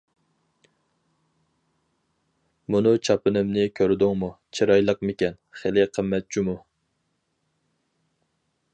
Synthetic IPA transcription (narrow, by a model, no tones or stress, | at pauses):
munɨt͡ʃʰɑpɨnɨmnɪkʲʰøɾd̪ʊŋmut͡ʃʰeɾɑjlˠəqmɪkʲɛnχelɪqʰəmːɛt̪̚t͡ʃʰimu